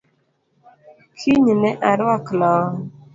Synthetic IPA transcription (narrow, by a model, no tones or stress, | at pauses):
kʰiɲnɛʔaɾwaklɔ